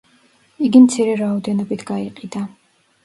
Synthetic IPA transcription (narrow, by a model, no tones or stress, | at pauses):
iɡimt̪sʰiɾɛɾaɔd̪ɛnɔbit̪ʰɡ̥aiqʼid̪a